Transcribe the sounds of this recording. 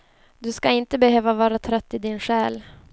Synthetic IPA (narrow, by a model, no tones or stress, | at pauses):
d̪ɵskaɪnt̪əbɛhøːvavɑːɾat̪ʰɾœt̪ːɪd̪ɪnɧɛːl